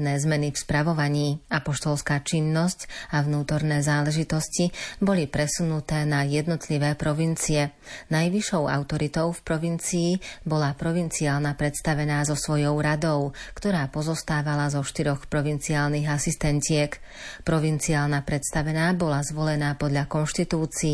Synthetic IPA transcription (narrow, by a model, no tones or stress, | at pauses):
nɛːzmɛnifspɾaʋɔʋaɲiːapɔʃt̪ɔlskaːt͡ʃinːɔscavnuːt̪ɔɾnɛːzaːlɛʒit̪ɔscibɔlipɾɛsunut̪ɛːnajɛd̪nɔt̪liʋɛːpɾɔʋint͡siɛnajʋiʃɔʊa̰ʊt̪ɔɾit̪ɔʊfpɾɔʋint͡siːbɔlapɾɔʋint͡siaːlnapɾɛt̪st̪aʋɛnaːzɔsʋɔjɔʊɾad̪ɔʊkt̪ɔɾaːpɔzɔst̪aːʋalazɔʃt̪iɾɔxpɾɔʋint͡siaːlniɣasist̪ɛncɪɛk | pɾɔʋint͡siaːlnapɾɛt̪st̪aʋɛnaːbɔlazʋɔlɛnaːpɔd̪ʎakɔnʃt̪it̪uːt͡si